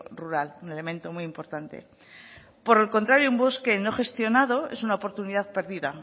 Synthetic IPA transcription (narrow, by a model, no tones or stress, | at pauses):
ruɾalune̞le̞mẽ̞nt̪o̞mujimpo̞ɾt̪ant̪e̞̰ | po̞ɾe̞lko̞nt̪ɾaɾjoumboske̞no̞χe̞st̪jo̞naðo̞e̞sunaopo̞ɾt̪uniðaðpe̞ɾðiða